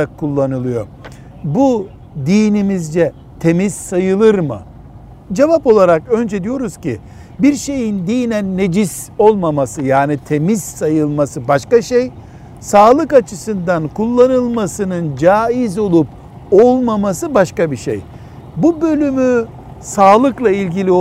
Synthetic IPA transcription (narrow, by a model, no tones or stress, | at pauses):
akʰːulˠːanɯlˠɯjo̞̰ | bu | d̪iːnimizd͡ʒɛ | t̪ʰe̞mizsajɯlˠɯɾmɯ̰ | d͡ʒevapo̞lˠaɾakø̞nd͡ʒɛd̪ijo̞ɾuz̥cʰḭ | biɾʃe̞jind̪ijnænːe̞d͡ʒiso̞lˠmamasɯjaːnit̪ʰe̞miz̥sajɯlˠmasɯbaʃkaʃej | saːlˠɯkat͡ʃʰɯsɯnd̪ankʰulˠːanɯlˠmasɯnɯnd͡ʒaːizo̞lˠup | o̞lˠmamasɯbaʃkabiʃḛj | bubø̞lʲymy | saːlˠɯklˠailʲɟilʲi